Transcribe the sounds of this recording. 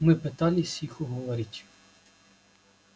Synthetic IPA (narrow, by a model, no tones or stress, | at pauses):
mɪpɪt̪ɑlʲisʲixʊɦɔʋɔɾʲɪtʲ